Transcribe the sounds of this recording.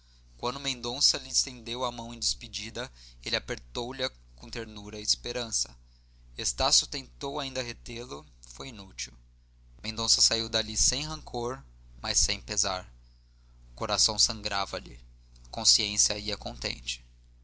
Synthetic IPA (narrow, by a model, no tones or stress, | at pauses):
kwɐ̃nd̪ʊmẽnd̪õsɐlɪːst̪ẽnd̪ewɐmɐ̃w̃ẽj̃d͡ʒ̪ɪspid͡ʒid̪ɐelɪapeɾt̪owlɐ | kõt̪eɾnuɾɐiːspeɾɐ̃sɐ | est̪asjʊt̪ẽnt̪owaĩnd̪ɐɦet̪elʊ | fojinut͡ʃiw | mẽnd̪õsɐsaiwd̪alisẽj̃ɦɐ̃ŋkʰoɾmɐsːẽj̃pezaɾ | ʊkoɾasɐ̃w̃sɐ̃ŋɡɾavɐlɪ̰ | kõsiẽsjɐiɐkõnt̪ḛ̃nt͡ʃɪ̥